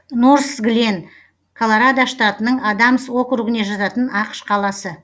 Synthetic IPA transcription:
noɾsɡlen | kʰolˠoɾad̪aʃt̪at̪ənəɴɑd̪ɑməso̞kɾuɡɪne̞ʒɑt̪ɑt̪ənɑqʃqʰɑlˠɑsə

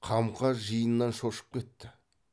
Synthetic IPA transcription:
qʰɑmqʰɑʒijənːɑnʃo̞ʃə̥p̚kʲʰe̞t̪ːɪ

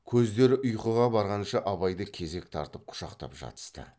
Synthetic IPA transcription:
kʲʰɵzd̪e̞ɾɪʔʊjqəʁɑbɑɾʁɑnʃɑʔɑβɑjd̪əkʲʰe̞ze̞kt̪ʰɑ̰ɾt̪əp̚qʰʊ̥ʃɑqt̪ɑ̰pʒɑ̰t̪ə̥st̪ə̰

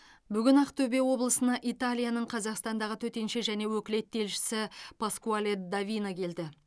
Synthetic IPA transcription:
bʏɡʲɪnɑqt̪ʰɵbe̞wo̞blˠəsənɑʔit̪alʲijanəɴqʰɑzɑqst̪ɑnd̪ɑʁət̪ʰɵt̪e̞nʃeʒæne̞wɵkʲɪle̞t̪ʰːe̞lʃɪ̥sɪpʰaskualʲed̪avʲinakʲʰe̞ld̪ɪ

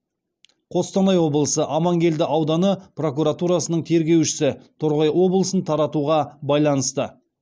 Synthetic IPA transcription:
qʰo̞st̪ɑnɑjwo̞blˠəsəʔɑmɑŋɡʲe̞ld̪ɪʔɑwd̪ɑnəpro̞kuɾat̪uɾɑsənəɴt̪ʰe̞ɾɡʲe̞wʃɪ̥sɪt̪ʰʊɾʁɑjwo̞blˠəsənt̪ʰɑɾɑt̪uʁɑbɑjlˠɑnəst̪ə

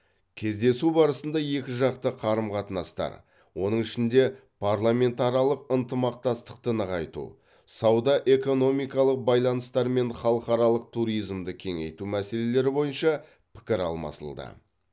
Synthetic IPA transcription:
kʲʰe̞zd̪e̞subɑɾəsənd̪ɑje̞kʲɪʒɑqt̪əqʰɑɾəmqʰɑt̪ənɑst̪ɑ̰ɾ | wʔo̞nəɴɪʃɪnd̪e̞pʰɑɾlˠamʲe̞nt̪ɑɾjɑlˠəqənt̪əmɑq̚t̪ɑst̪ə̥qt̪ənəʁɑjt̪ṵ | sɑwd̪ɑʔe̞ko̞no̞mijkɑlˠəq̚bɑjlˠɑnəst̪ɑɾme̞nχɑlˠəqɑɾɑlˠəq̚t̪ʰuɾijzmd̪əkʲʰe̞ŋḛjt̪umæse̞le̞le̞ɾɪbo̞jənʃɑ | pʰɪ̥kʲɪɾɑ̰lˠmɑ̰sə̰lˠd̪ə̰

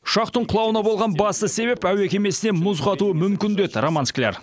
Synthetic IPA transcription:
ʊ̥ʃɑqt̪əɴqʰʊlˠɑwənɑbo̞lˠʁɑnbɑst̪əse̞βe̞pæwe̞kʲe̞me̞sɪne̞mʊzʁɑt̪uəmʏmkʲɪnd̪e̞d̪ɪromansklʲḛɾ

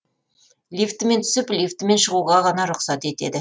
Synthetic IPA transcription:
lijft̪ɪme̞nt̪ʰʏ̥sɪplijft̪ɪme̞nʃəʁuʁɑʁɑnɑɾʊqsɑt̪e̞t̪e̞d̪ɪ

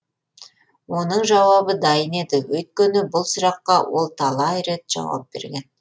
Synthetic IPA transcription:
wo̞nəɴʒɑwɑbəd̪ɑjəne̞d̪ɪwɵjt̪̚kʲenɪbʊlˠsʊɾɑqːɑwo̞lˠt̪ʰɑlˠɑjɾe̞t̪ʒ̥ɑ̰wɑ̰p̚b̥e̞̰ɾɡʲe̞n

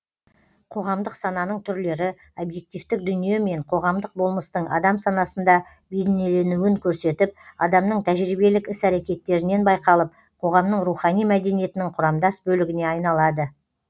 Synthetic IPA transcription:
qʰo̞ʁɑmd̪əqsɑnɑnəɴt̪ʰʏɾle̞ɾɪ | obje̞k̚t̪ift̪ɪk̚d̪ʏnijeme̞ɴqʰo̞ʁɑmd̪əq̚bo̞lˠməst̪əɴɑ̰d̪ɑmsɑnɑsənd̪ɑ | bed̪ene̞le̞nuwɪŋkʲʰɵɾse̞t̪ɪp̚ɑd̪ɑmnəɴt̪ʰæʒɾijbe̞lɪkɪsæɾe̞kʲe̞t̪ːe̞ɾɪne̞nbɑjqɑlˠəp̚ | qʰo̞ʁɑmnəɴɾuχɑnijmæd̪e̞nije̞t̪ɪnɪŋqʰʊɾɑmd̪ɑsbɵlɪɡʲɪneɑjnɑlˠɑd̪ə

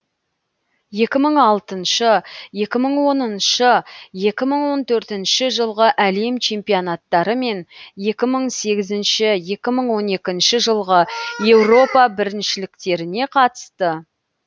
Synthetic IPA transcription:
je̞kʲɪməɴɑlˠt̪ənʃəje̞kʲɪməɴwo̞nənʃəje̞kʲɪməɴwo̞nt̪ʰɵɾt̪ɪnʃɪʒəlˠʁəʔæle̞mt͡ʃʰe̞mpijonat̪ːɑɾəme̞nje̞kʲɪməɴse̞ɡʲɪzɪnʃɪje̞kʲɪməɴwo̞ne̞kʲɪnʃɪʒəlˠʁəje̞wro̞pɑbɪɾɪnʃɪlɪk̚t̪e̞ɾɪne̞qʰɑt̪ə̥st̪ə

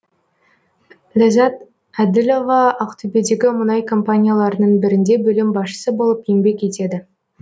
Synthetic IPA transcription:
læzɑt̪ | æd̪ɪlʲo̞vɑɑqt̪ʰɵbe̞d̪e̞ɡʲɪmʊnɑjkʰo̞mpanʲijalˠɑɾənəɴbɪɾɪnd̪e̞bɵlɪmbɑsʃə̥səbo̞lˠəpjeŋbe̞kʲe̞t̪e̞d̪ɪ

